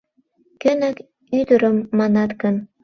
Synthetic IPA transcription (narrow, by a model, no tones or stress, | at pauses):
kɘ̆næk | yd̪ə̆ɾəmːɑnɑt̪kə̆n